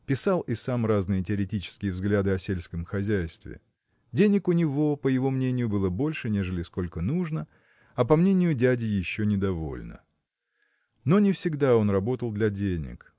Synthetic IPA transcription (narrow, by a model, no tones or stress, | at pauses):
pʲɪsalˠɪsamraznɨjətʲɪɐɾʲɪtʲit͡ɕɪ̥skʲɪjəvzɡlʲad̪ɨɐsʲelʲskəmxɐzʲæjst̪vʲɪ̰ | dʲenʲɪkʊnʲɪvo̞pəjɪvo̞mnʲenʲɪjʊbɨlˠəbo̞lʲʂɨnʲe̞ʐɨlʲɪsko̞lʲkənuʐnə | ɐpɐmnʲenʲɪjʊdʲædʲɪjɪɕːonʲɪd̪ɐvo̞̰lʲnə̰ | no̞nʲɪfsʲɪɡd̪ao̞nrɐbo̞t̪əlˠd̪lʲɐdʲenʲɪ̰k